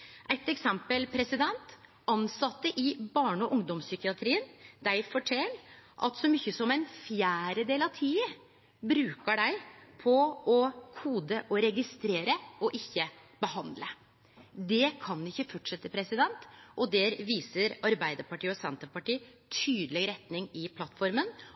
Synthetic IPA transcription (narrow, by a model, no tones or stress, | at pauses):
ʔæɪt̪ɛksɛmpəlpʰɾɛsɪd̪ɛnt̪ | ʔɑnsɑt̪ːəʔɪbɑːɳɔʔʊŋd̪ɔmsʏkɪɑt̪ʰɾiːənd̪æɪfɔʈʰɛlʔɑ̰t̪sɔmyçəsɔmæɪnfjæːɾəd̪eːlɑʋt̪ʰiːə | bɾʉːkəɖæɪpʰɔɔkʰuːd̪əʔɔɾɛɡɪst̪ɾeːɾəɔʔɪçːə | bəɦɑnd̪lə | d̪ɛkʰɑnɪçːəfɔʈʂɛt̪ːəpʰɾɛsɪd̪ɛnt̪ʔɔd̪ɛːɾʋiːsəɾɑɾbæɪd̪əɾpɑʈiːəɔsɛnt̪əpɑʈiː | t̪ʰyːd̪əlɪɡɾɛt̪nɪŋɪpʰlɑt̪ːfɔɾmən